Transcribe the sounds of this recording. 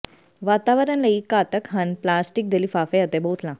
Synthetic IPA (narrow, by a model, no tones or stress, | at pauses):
ʋat̪aʋəɾanləikat̪əkɦənplasʈik̚d̪eliːfafeət̪ebot̪lã